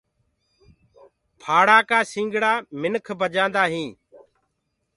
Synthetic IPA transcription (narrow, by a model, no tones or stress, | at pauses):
pʰaːɽaːkaːsĩːŋɡɽaːmɪnkʰbʱəd͡ʒãːnd̪aːɦĩː